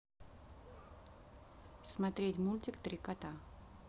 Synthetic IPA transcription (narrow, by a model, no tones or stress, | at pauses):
smɐt̪ɾʲetʲmulʲtʲɪkt̪ɾʲɪkat̪a